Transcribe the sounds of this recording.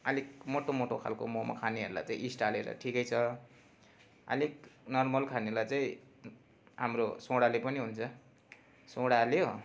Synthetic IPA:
ʌlikmoʈomoʈokʰa̰lkomoma̰kʰaniɦʌɾula̰jt͡sãḭ̃ʔisʈaleɾʌ̰ʈʰikʌjt͡sʰʌ | ʌ̰liknʌrmʌlkʰanelajt͡saĩ | ɦamrosõɽalepʌniɦunt͡sʰʌ | sõɽaljo

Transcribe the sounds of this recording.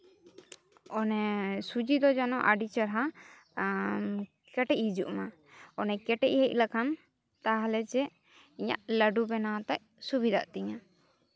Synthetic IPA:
ɔnɛsud͡ʒid̪ɔd͡ʒanɔʔaɖit͡ʃəɾɦa | kɛʈɛc̚hid͡ʒuʔma | ɔnɛkɛʈɛʔ̚hɛc̚ˀlakʰan | t̪aɦalɛd͡ʒɛ | iɲa̰ʔləɖubɛnat̪aʔ̚ | subid̪ʱaʔt̪iɲa

